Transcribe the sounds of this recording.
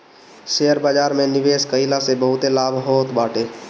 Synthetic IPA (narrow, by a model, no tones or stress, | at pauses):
ʃeəɾbaːd͡ʒaːɾmẽnɪʋeːskəilasebəɦʊt̪elaːbʱɦoːt̪baːʈeː